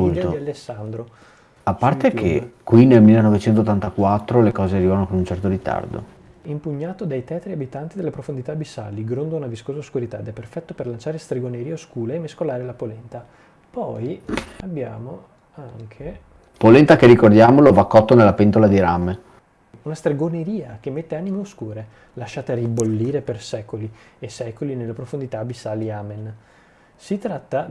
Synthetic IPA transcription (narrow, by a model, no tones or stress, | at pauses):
unt̪oialːesːand̪ɾo | apːart̪ekʰekwinelmilːenɔvet͡ʃɛnt̪ot̪ːant̪akwat̪ːɾolekɔːzearivanokonunt͡ʃɛrt̪oɾit̪a̰rd̪o̰ | impuɲːaːt̪od̪ajt̪ɛːt̪ɾiabit̪ant̪id̪elepɾofond̪it̪abisa̰lːiɡɾond̪ounaviskoːzaoskuɾit̪ad̪ɛpːerfɛt̪ːoperlant͡ʃaːɾest̪ɾeɡoneɾioskuːlaemːeskolaːɾelapolɛnt̪a | pɔjabːja̰ːmo | aŋkʰe | polent̪akeɾikord̪jaːmolovakːɔt̪ːonelːapent̪olad̪iɾame | unast̪ɾeɡoneɾiːak̟emːet̪ːeaːnimeoskuːɾe | laʃːaːt̪aribolːiːɾepersɛːkoliesɛːkolinelːepɾofond̪it̪abisaliaːmen | sit̪ɾat̪ːa